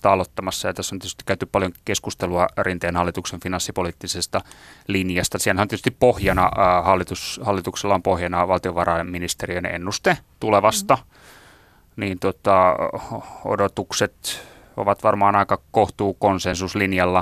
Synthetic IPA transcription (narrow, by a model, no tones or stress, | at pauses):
t̪ɑɑlot̪ːɑmɑsːɑjɑt̪æsːoniet̪yst̪ikæyt̪yppɑljoŋkeskust̪eluɑrint̪ejːnhɑlːit̪ukseɱfinɑnsːipoliːt̪ːisest̪ɑlinjɑst̪ɑsiælhæoniety̥st̪ippohjɑnɑhɑlːit̪ushɑlːit̪ukselːɑompohjɑnɑʋɑlt̪ioʋɑrɑimminist̪eriønḛnːust̪et̪uleʋɑst̪ɑ | niːnt̪ot̪ɑ | o̰dot̪ukset̪ | o̰ʋɑt̪ʋɑrmɑːnɑikɑkoht̪uːkonsensuslinjɑlːɑ